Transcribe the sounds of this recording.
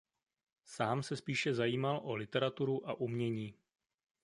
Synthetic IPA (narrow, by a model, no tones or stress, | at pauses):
saːmsɛspiːʃɛzajiːmalʔo̞lɪt̪ɛɾat̪uɾuʔaʔumɲɛɲiː